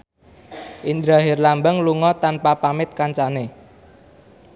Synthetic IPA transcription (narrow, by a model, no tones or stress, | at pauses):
ʔind̪ɾaɦɪrlambəŋluŋɔt̪anpapamɪt̪̚kaɲt͡ʃane